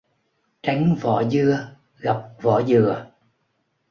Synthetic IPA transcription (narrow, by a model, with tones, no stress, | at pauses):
t͡ɕa˨˦jŋvɔ̰˧˩zɨ˧ə | ɣa˨˩wk͡p̚vɔ̰˧˩˦zɨ˨˩ə